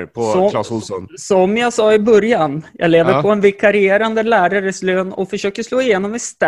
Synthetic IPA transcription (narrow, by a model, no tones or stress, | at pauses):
pʰsɔlɑsʊlsɔnsɔmjaɡsɑːɪbœɾjanjʔɑ̰ːɡleːvəɾpʰɔɛnvɪkʰaɾɪeːɾand̪əlæːɾaɾəsløːnɔ̰fœʂøːkəʂloːɪjeːnɔmɪst̪